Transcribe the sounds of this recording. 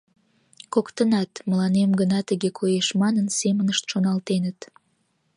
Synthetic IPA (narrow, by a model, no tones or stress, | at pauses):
kokt̪ənɑt̪məlɑnemɡənɑt̪əɣekʰojeʃmɑnənsemənəʃt̪ʃonɑlt̪enət̪